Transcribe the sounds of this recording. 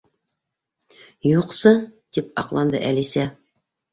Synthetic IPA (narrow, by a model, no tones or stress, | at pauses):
juqsɤd̪̥ip̚ɑ̰qlˠɑnd̪ɤ̰ʔælisæ